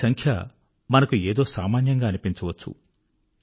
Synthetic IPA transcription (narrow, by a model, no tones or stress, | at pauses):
sɐŋkʰjɐ | mɐnɐkueːd̪o̞ːsaːmaːnjɐŋɡaːɐnipint͡ʃɐʋɐt͡ʃːṵ